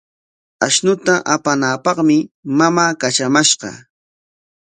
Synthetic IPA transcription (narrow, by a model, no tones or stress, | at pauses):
aʃnʊt̪aʔapanaːpɑχmɪmamaːkat͡ʃamaʃɢɑ̰